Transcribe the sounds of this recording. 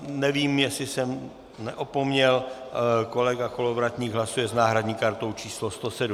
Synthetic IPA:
nɛviːmjɛsɪsɛm | nɛ̰ʔopomɲɛl | ko̞lɛɡakolovɾat̪ɲiːɡɦlasujɛznaːɦɾadɲiːkaɾt̪o̞wt͡ʃiːslost̪osɛdu

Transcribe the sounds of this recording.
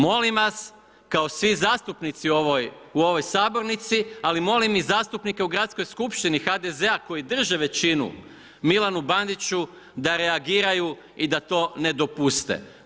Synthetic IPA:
mo̞limʋas | kao̞sʋizaːst̪upnit̪sioʋoj | uo̞ʋo̞jsaːbo̞ɾnit̪sialimo̞limizaːst̪upnike̞uɡɾat̪sko̞jskupʃt̪inixad̪eze̞ako̞jid̪r̩ʒeʋe̞t͡ɕinṵ | milanuband̪it͡ʃu | d̪aɾe̞aɡiːɾaju | id̪at̪o̞ːne̞d̪o̞pust̪ḛ

